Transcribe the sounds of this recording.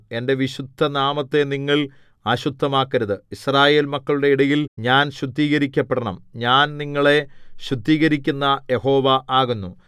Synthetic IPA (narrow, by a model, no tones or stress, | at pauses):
e̞nde̞ʋiɕud̪ʱːɐnaːmɐt̪ːe̞niŋːɐɭ | ɐɕud̪ːɐmaːkːɐɾɐðɨisraːje̞ːlmɐkːɐɭuɽe̞iɽɐjilɲaːnɕud̪ːiːɣɐɾikʲːɐpːeɽɐɳɐmɲaːnniŋːɐɭe̞ɕud̪ːiːɣɐɾikʲːunːɐje̞ho̞ːʋɐʔaːɣunːu